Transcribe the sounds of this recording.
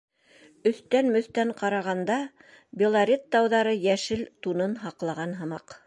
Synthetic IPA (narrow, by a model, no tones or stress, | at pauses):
ɵ̆θt̪ænmɵ̆θt̪æɴqɑɾɑʁɑnd̪ɑ | bʲɪlˠaɾʲet̪ːɑwðɑɾɤjæʃɘlt̪unɤnɦɑqlˠɑʁɑnɦɤ̆mɑq